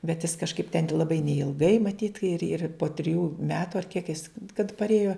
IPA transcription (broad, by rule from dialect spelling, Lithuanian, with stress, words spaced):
bʲɛt jɪs kɐʃˈkɐɪp tʲɛn lˠɐˈbɐɪ nʲɛɪlˠˈɡɐɪ mɐˈtʲiːt ɪr ɪr poː tʲrʲɪˈjuː ˈmʲæːtʊ ɐr kʲiɛk jɪs kɐt pɐrʲˈeːjoː